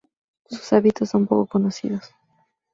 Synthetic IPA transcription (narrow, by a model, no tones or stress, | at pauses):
su̥saβit̪osːo̞mpo̞̰kokonosḭðos